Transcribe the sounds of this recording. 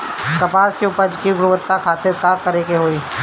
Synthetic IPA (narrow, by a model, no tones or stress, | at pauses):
kɐpaːskeuːpəɾd͡ʒkiɡʊɽʊʋət̪ːakʰaːt̪eɾkaːkɐɾekeɦoːiː